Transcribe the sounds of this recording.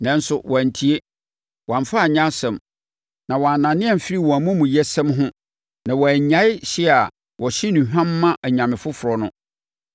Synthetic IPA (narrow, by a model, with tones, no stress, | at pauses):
nɛ̃˨˦n̩˦sʊ˦˨wʔã˨n˨tʰi˦e˦ | wã˨ɱ˨fa˦a˨ɲã˦sɛ̃˨m | nã˨wɔ˨a˨nã˨nɪ̃˦ɛ˦m̩˨fɪ˦ɾi˦wɔ̃˨æ˨mũ˦mũ˨jɛ˦sɛ̃˦mɦʊ̃˦ | nã˨wɔ˨æ˨ɲã˦ɪ˦ɕi˦˨a˨ | wʔɔ˨ɕi˦nĩ˨hᶣã˦mːã˦ʔæ˨ɲã˨mɪ̃˨fʊ˦fʊ˨ɾɔ˨nʊ̃˦